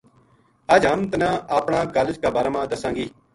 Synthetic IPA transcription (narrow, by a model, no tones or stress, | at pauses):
əd͡ʒɦəmt̪ənãːaːpɳaːkaːləd͡ʒkaːbaːɾaːmãːd̪əsãːŋɡiː